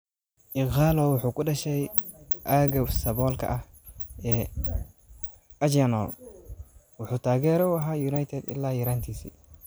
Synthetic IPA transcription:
ʔɪɣaːlɔwʊħuːkʰʊɖɐʃɛjʔaːɡɐsɐbɔːlkʰɐ̰ʔɐh | ɛː | ɐd͡ʒjɐnɔ̰ | wʊħuːt̪ʰaːɣɛːɾɔwɐɦaːjunajt̪ʰɛd̪ɪ̰lːaːjɪɾaːnt̪ʰiːsḭː

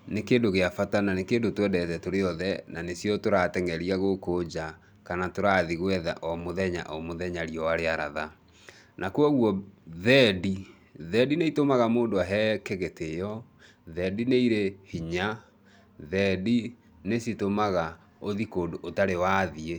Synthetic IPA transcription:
nekeːndoɣeafatananekeːndotwɛdɛtɛtoɾeɔðɛnanesjɔtoɾatɛŋɛɾiaɣokod͡ʑa | kanatoɾaðiɣwɛða̰ʔɔmoðɛɲa̰ʔɔmoðɛɲaɾiɔwaɾeaɾa̰ða | nʔakoɔɣwɔðɛdi | ðɛdineitomaɣamoːndoaɦɛːkeɣetejɔ | ðɛdineiɾehiɲa | ðɛdi | nesitomaɣa | oðikoːdoʔːtaɾewaðie

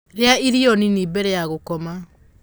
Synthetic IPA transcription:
ɾeaiɾioninibɛɾɛjaɣokɔma

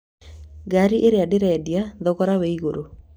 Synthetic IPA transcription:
ɡaɾiʔeɾeadɪɾɛɛdjaðɔkɔɾaweiɡoɾo

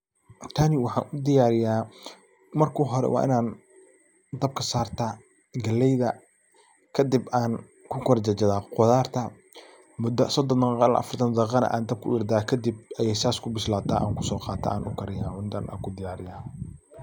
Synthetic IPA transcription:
t̪ʰaːnɪwɑħɑ̰ːnʊd̪ɪjaːɾɪjaː | mɐrkʰuːɦɔɾɛ̰wʔɑ̰ːʔɪ̰naːn | d̪ɐb̚kʰɐsaːrt̪ʰaː | ɡɐlɛjðɐ | kʰɐd̪ɪbaːn | kʰʊkʰɔɾt͡ʃɐt͡ʃɐðaːqʊðaːrt̪ʰɐ | mʊd̪ɐsɔd̪ɔnɐnɑl̰ʔɐ̰fɐrt̪ʰɐnd̪ɐqɑnɐ̰ʔa̰ːnd̪ɐb̚kʰʊɪɾd̪aːkʰɐd̪ɪb̚ɐjɛjsaːskʰʊbɪʃlaːt̪ʰaːʔa̰ːŋkʰʊsɔːqɑːt̪ʰa̰aːnʔʊ̰kʰɐɾɪjaːʕʊnd̪ɐnʔa̰ːŋkʰʊd̪ɪjaːɾɪjaː

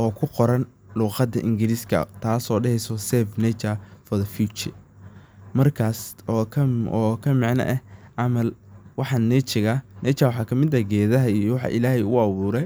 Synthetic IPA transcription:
ʔɔːkʰʊqɔɾɐn | luːqɑd̪ɐʔɪŋɡɪɾiskʰɐ̰t̪ʰaːsɔːɖɛhɛjsɔsɛfnɛt͡ʃɐfɔðɐfjuːt͡ʃɪ̰ | mɐrkʰaːsɔkʰɐɔːkʰɐmɪʕnɐ̰ʔɛʕɑmɐlwɑħɑnɛt͡ʃɪɣɐnɛt͡ʃɐwħɑkʰɐmɪd̪ɐɡɛːðɐɦɐijɔwɑħɑ̰ʔɪ̰laːhɛjʊʊɑβuːɾɛj

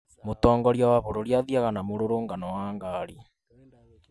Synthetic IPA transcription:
motɔːŋɡɔɾjawaβoɾoɾjaðiaɣanamoɾoɾoːŋɡanɔwaːŋɡaːɾi

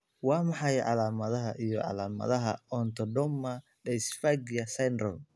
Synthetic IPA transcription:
wɑːmɑħɑjʕɑ̰laːmɐðɐɦɐʔijɔʕɑ̰laːmɐ̰ðɐɦɐ̰ɔnt̪ʰɔdɔmːɐ | ɖɛjsfaɡjɐsɐjnrɔ̰l

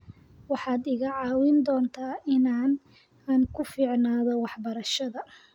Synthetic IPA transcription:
wɑħɑːd̪ɪɣɐʕɑːwɪnd̪ɔːnt̪ʰaːɪnaːn | aːnkʰʊfiːʕnaːðɔwɑħbɐɾɐʃɐðɐ

